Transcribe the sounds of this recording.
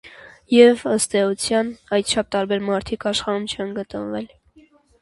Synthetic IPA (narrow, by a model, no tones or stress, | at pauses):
jɛvəst̪ɛut͡sʰjɑnɑjt̪̚t͡ʃʰɑp̚ʰt̪ɑɾbɛɾmɑɾt̪ʰikʰɑʃχɑɾumt͡ʃʰɛnɡət̪ənvɛl